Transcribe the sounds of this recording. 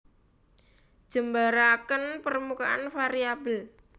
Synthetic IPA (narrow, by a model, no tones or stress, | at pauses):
ʒ̥ə̤mbaɾakənpərmukaʔa̰nfaɾiabəl